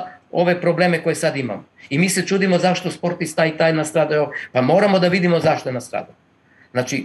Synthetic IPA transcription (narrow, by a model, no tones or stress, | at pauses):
o̞ʋe̞pɾo̞ble̞me̞ko̞je̞sad̪ima̰moimiːse̞t͡ʃuːd̪imozaʃt̪o̞spo̞ɾt̪ist̪ait̪ajnast̪ɾaːd̪ajopamo̞ːɾamo̞d̪aʋid̪imo̞zaʃt̪oenast̪ɾa̰ːd̪a | znaːt͡ʃi